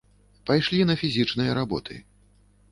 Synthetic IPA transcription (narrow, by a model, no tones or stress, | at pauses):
pajʂlʲinɐfʲizʲit͡ʂnɨjɐɾabɔ̰t̪ʰɨ̰